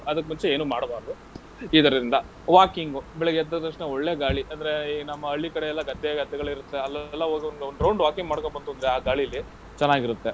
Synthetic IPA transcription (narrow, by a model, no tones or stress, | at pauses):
ɐd̪ɐkːmunt͡ʃeeːnuːmaːɽbaːɾɐd̪u | iːt̪ɐɾɐɾind̪ɐ | ʋaːkiŋɡubɛɭeɡɛd̪ːɐt̪ɐkʂneoɭːeːɡaːɭiʔɐnd̪ɐɾe̞nɐmːɐɐɭːikɐɽeɛlːɐɡɐd̪ʱːɛɡɐd̪ːɛɡɐɭiɾut̪ːeɐlːlːɐɦoːɡionɡeonɾɐwɳɖʋaːkiŋɡmaːɽkombɐnd̪uɐnd̪ɾeaːɡaːɭilːi | t͡ʃɛnːaːɡiɾut̪ːe̞